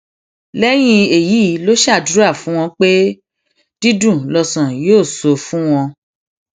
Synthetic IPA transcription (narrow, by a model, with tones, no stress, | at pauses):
lɛ˦j̃ĩ˧e˨ji˨˦˨lo˦ʃa˦˨du˦ɾa˦˨fũ˨˦w̃ɔ̃˧k͡pe˦ | d̥i˦dũ˦˨lɔ˧sã˨joː˦˨so˧fũ˦w̃ɔ̃˧